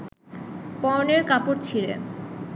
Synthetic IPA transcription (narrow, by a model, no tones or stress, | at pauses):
pɔoneɾkapoɾt͡ɕʰiɾḛ